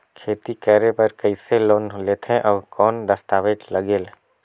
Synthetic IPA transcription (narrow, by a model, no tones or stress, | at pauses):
kʰeːt̪ikɛːɾepəɾkəɪseloːnlet̪ʰẽʔɔːkɔːnd̪əst̪aːʋed͡ʒləɡeːl